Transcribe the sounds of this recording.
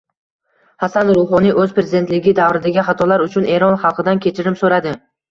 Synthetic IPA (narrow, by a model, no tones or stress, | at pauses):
hasanɾʊɦɒnijʔɵzpɾezɪd̪e̞nt̪lɪɡʲɪd̪avɾɪd̪aɡʲɪχat̪ʰɒlaɾʊt͡ʃʰʊneɾɒnχɑlˠqʰɨd̪ankʲʰe̞t͡ʃʰɪɾɪmsoɾad̪ɪ